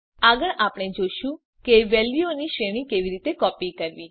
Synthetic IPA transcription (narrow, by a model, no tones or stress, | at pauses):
aɡəɭʔapɽ̃ed͡ʒoʃũ | keʋɛlʋioniʃeɽ̃ĩkeʋiɾit̪ekɔpikəɾʋi